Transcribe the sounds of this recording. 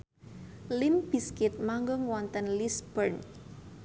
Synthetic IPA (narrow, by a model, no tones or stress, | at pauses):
limb̥iskɪt̪̚maŋɡɔŋwɔnt̪ənlisb̥ərn